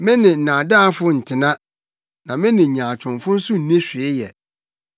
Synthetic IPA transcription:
mɪ̃˦nɪ̃˨n̩˨nã˨da˦fʊ˦n̩˨tʰɪ˨nã˦ | nã˨mɪ̃˦nɪ̃˨ɲãː˨t͡ɕʰʊ̃˨nfʊ̃˦n̩˦sʊ˦n̩˨nɛ̃˦ɕᶣi˨e˦jɛ˨

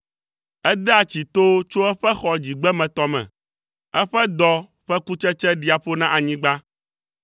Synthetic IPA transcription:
ɛ˦d̪ɛ˦a˨t͡ɕi˨t̪o˦t͡ʃo˦ɛ˦ɸɛ˦xɔ˨d͡ʑi˨ɡ͡bɛ˦mɛ̃˨t̪ɔ˦mɛ̰̃˨ | ɛ˦ɸɛ˦d̪ɔ˦ | ɸɛ˦ku˦t͡ʃɛ˦t͡ʃɛ˦ɖi˨˦a˨ɸo˦nã˦ʔa˨ɲĩ˦ɡ͡ba˦

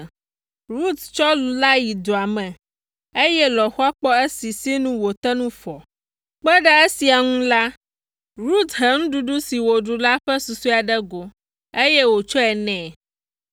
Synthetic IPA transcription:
ɾu˦t̪t͡ʃɔ˦lu˨la˦ji˨d̪o˨a˨mɛ̃˨ | e˦jɛ˦lɔ˨xu˦a˦k͡pɔ˦e˦si˨si˦nũ˦wo˨t̪ɛ˦nũ˦fɔ˨ | k͡pɛ˦ɖɛ˦e˦si˨a˨ŋũ˦la˦ | ɾu˦t̪ɦɛ˨ŋũ˦ɖu˦ɖu˦si˨wo˨ɖu˨la˦ɸɛ˦su˨su˦a˨ɖɛ˦ɡo˨ | e˦jɛ˦wo˨t͡ʃɔ˦ɛ˨nɛ̃˨

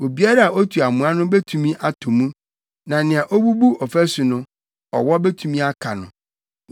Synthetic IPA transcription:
wo˨bi˦a˦ɾa˦˨a˨ʔo˦tʰu˨a˨mũ˨˦a˦nʊ̃˦be˦tʰu˨mĩ˦ʔa˦tʰʊ̃˨mũ˦ | nã˨nɪ̃˨a˨ʔo˦bu˦bu˦ɔ˨fæ˦su˨nʊ̃˦ | ɔ̰˨wɔ˦be˦tʰũ˨mĩ˦a˦kʰa˨nʊ̰̃˨

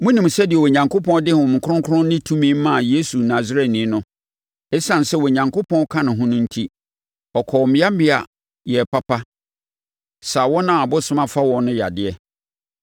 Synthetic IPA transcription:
mʊ̃˦nĩ˨m˨sɛ˦dɪ˨ɛ˨wɔ˨ɲã˨ŋkʰʊ˦pʰɔ̃˦dɪ˦hʊ̃˨mɪ̃˨kʰʊ˦ʊ̃˦ŋkʰʊ˦ʊ̃˦n˦nɪ̃˦tʰũ˦mĩ˦m˦mã˦˨je˦su˨nã˨zɾɛ˦˨nĩ˨˦nʊ̃˦ | ɛ˦sã˨n˨sɛ˦wɔ˨ɲã˨ŋkʰʊ˦pʰɔ̃˦kʰã˦nʊ̃˨ɦʊ̃˦nʊ̃˦n̩˦tʰi˦ | ɔ˨kʰɔ˨mɪ̃˦a˦mɪ̃˦a̰˨ | jɛ˨pa˦pʰa˦ | sa˨wɔ˦nã˦a˨bʊ˦sʊ̃˦mã˦fa˦wɔ̃˨nʊ̃˦ja̰˨dɪ˨ɛ˦

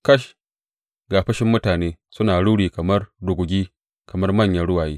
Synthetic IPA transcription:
kɐ˦ʃ | ɡaː˨ɸɐ˦ʃɪ˦mːʊ˦taː˨neː˦sʊ˦naː˨ɽuː˦ɽiː˨kɐ˨mɐ˦rdʊ˨ɡʷʊ˨ɡʲiː˦ | kɐ˨mɐ˦rmɐ˦˨ɲjɐ˦ɽʊ˦waː˨jiː˦

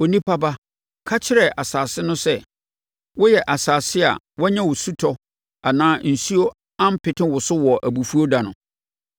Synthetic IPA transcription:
o˨nĩ˦pʰa˦ba˦ | kʰa˦t͡ɕʰɪ˦ɾɛ˨ʔa˨saː˨sɪ˦nʊ̃˦sɛ˦ | wɔ˦jɛ˨ʔa˨saː˨sɪ˦a̰˨ | wɔ˦ɲã˦wʊ˨su˦tʰɔ˦ | a˨nãː˦n̩˨su˦o˦ | ã˦m̩˦pʰɪ˨tʰɪ̃˦wʊ˨sʊ˦wɔ˨ʔæ˨bu˨fu˦o˦da˨nʊ̃˨

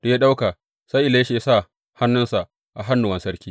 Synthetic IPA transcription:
d̥a˨ja˦ɗa˦wka˨ | sa˦jʔɪ˨leː˦ʃe˨ja˦sa˦˨ | ha˦nːʊ˦nsa˨ | ʔa˨ɦa˦nːʊ˨wɐ˨˦nsɐ˦ɾkʲiː˦

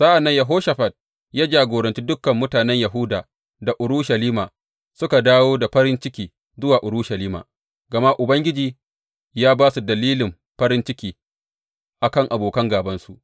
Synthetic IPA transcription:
z̥a˦ʔa˨nːɐ˦ɲjɐ˨ɦoː˦ʃɐ˨ɸɐ˨t̚ | jaː˦d͡ʒaː˨ɡʷoː˨ɾɐ˨nt͡ʃiː˦dʊ˦kːɐ˨mːʊ˦taː˨nɛ˦ɲjɐ˨ɦʊ˦daː˨ | da˨ʔʊ˨ɾʊː˦ʃɐ˨liː˦maː˨ | sʊ˦ka˨daː˦woː˦da˨ɸɐ˦ɾɪ˦nt͡ʃɪ˦kʲiː˨ | zʊ˦waː˨ʔʊ˨ɾʊː˦ʃɐ˨liː˦ma̰ː˨ | ɡɐ˨ma˦ʔʊ˨bɐ˦ŋɡʲɪ˦d͡ʒiː˨ | jaː˦baː˦su˨dɐ˨liː˦lɪ˨m | ɸɐ˦ɾɪ˦nt͡ʃɪ˦kʲiː˦ | ʔa˨kɐ˦˨ŋʔa˨boː˨kɐ˦ŋɡaː˨bɐ˦nsu˨ʔ

